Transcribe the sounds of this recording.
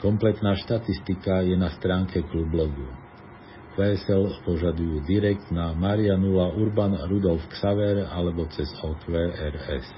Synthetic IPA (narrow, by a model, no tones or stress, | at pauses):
kɔmplɛt̪naːʃt̪at̪ist̪ikajɛnast̪ɾaːŋkʰɛklublɔɡ̪u | ʋɛsɛlpɔʒad̪ujuːd̪iɾɛk̚t̪namaːɾianulauɾbanɾud̪ɔlfksaʋɛɾalɛbɔt͡sɛzɔkʋɛːɛɾɛ̰s